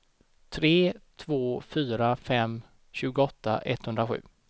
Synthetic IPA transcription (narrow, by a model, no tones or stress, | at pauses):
t̪ʰɾeːt̪ʰvoːfyːɾafɛm | ɕʉ̟ːɡʊɔt̪ʰːa̰ʔɛt̪ːhɵnd̪ɾaɧʉ̟̰ː